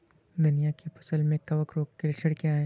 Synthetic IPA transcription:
d̪ʊnijakepɐsəlmẽkɐʋəkɾoːkkeɾʃʰəɽkeaːe

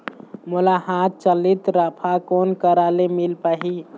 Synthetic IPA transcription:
mulaɦat̪̚t͡ʃəlit̪ɾəpʰakonkəɾalemilpaɦi

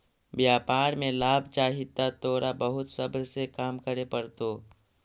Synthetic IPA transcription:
bjaːpaːɾmẽlaːbʱt͡ʃaːɦɪt̪at̪oːɾabəɦʊt̪sɐbɾsekaːmkəɾepɐɾt̪oː

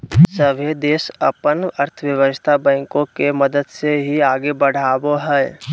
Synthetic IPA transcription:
səʋʱed̪eːsəpənəɾt̪ʰəʋjəʋəst̪ʰabɛ̃ːkõkeməd̪əd̪seɦiaːɡebəɽ̤aːboɦɛː

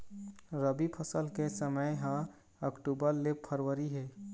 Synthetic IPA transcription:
ɾəbipʰəsəlkesəməjɦã | əkʈubəɾlepʰəɾwəɾiɦɛː

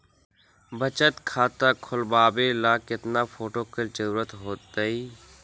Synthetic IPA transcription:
bət͡ʃət̪kʰaːt̪akʰʊlbaːbelaːkɪt̪naːfʰoːʈoːkɪld͡ʒəɾuːɾət̪ɦoːt̪əiː

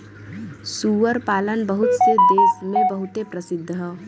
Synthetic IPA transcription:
suːʋəɾpaːlənbəɦʊt̪sed̪eːsmẽbəɦʊt̪epɾəsɪd̪ʱːɦɛː

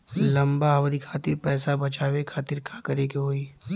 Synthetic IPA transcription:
lɐ̃mbaɦɐʋd̪ikʰaːt̪ɪɾpɛːsabɐt͡ʃaːwekʰaːt̪ɪɾkʰaːkɐɾeːkeɦoːiː

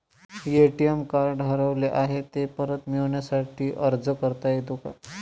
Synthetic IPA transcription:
jeʈijemkaɾɖəɾəʋleʔaɦet̪epəɾət̪miɭɳjasaʈʰiːʔəɾd͡zəkəɾt̪ajed̪uka̰

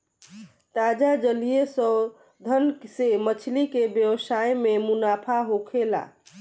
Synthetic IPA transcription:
t̪ad͡ʒad͡ʒəlijesə | d̪ʱənsemət͡ʃʰlikebjəwsajmemunapʰaɦokʰela̰

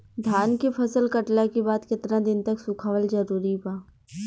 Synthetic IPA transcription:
d̪ʱjaːnkipʰɐsəlkɐʈlakibaːd̪kɪt̪ɾãd̪ɪnt̪ɐksʊkʰaːʋəlzɐɾuːɾibaː

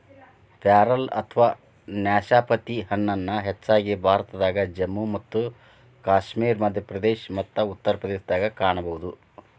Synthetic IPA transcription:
pjaːɾɐlɐ̰t̪ʰɐʋaː | njaːʃaːpɐt̪ihɐnːɐnːɐɦet͡ʃːaːɡibʱaːɾɐt̪ɐd̪aːɡɐd͡ʒemːumɐt̪ːu | kaːʃmiːɾmɐd̪ʱjɐpɾɐd̪eːʃmɐt̪ːɐut̪ːɐɾɐpɾɐd̪eːʃd̪aːɡɐkaːɳɐbɐʋud̪u

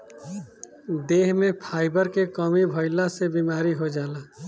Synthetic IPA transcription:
d̪eːɦmẽpʰaːɪbəɾkekɔːmibʱoːɪlasebiːmaːɾiɦod͡ʒaːlaː

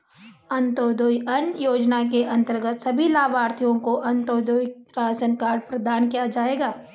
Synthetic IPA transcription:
ɐ̃nt̪oːd̪ojɐnjoːd͡ʒnakeʔɐ̃nt̪əɾɡət̪sɐbʱilaːbaːɾt̪ʰijõkoʔɐ̃nt̪oːd̪ojɾaːsənkaːɾpɾɐd̪ʱaːnkijad͡ʒaːeːɡaː

